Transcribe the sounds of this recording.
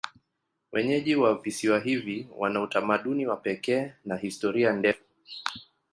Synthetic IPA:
wɛɲɛʄiwavisiwaɦiviwa̰nautamaɗuniwapɛkɛːnahistɔɾiandɛfu

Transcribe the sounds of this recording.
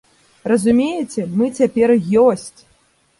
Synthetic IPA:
rɐzumʲejɛt͡sʲɛmɨt͡sʲapʲɛrjɔsʲt͡sʲ

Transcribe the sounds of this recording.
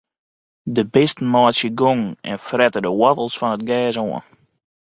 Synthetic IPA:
dəbɪstn̩mɔːsjəɡoŋɛ̰nfrɛtədəwɔtl̩ˠsfɔnət̚ɡɛːsoən

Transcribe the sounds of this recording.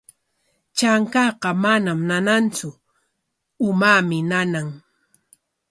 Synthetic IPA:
t͡ʃaŋkɑqɑmanamnanant͡sʊ | ʊmamɪnanaŋ

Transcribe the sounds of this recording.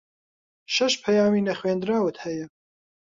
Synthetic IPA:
ʃɐʃpʰɐjɑːmiːnɐχweːnd̪ɾɑːwɨt̪hɛjɛ

